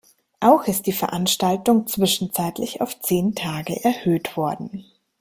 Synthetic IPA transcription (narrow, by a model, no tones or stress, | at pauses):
ʔaʊxɪst̚d̥iːfɛɐʔanʃtaltʊŋt͡sv̥ɪʃn̩t͡saɪtlɪça̰ʊft͡seːntʰaːɡə̰ʔɛɐhøːtv̥ɔɐdn̩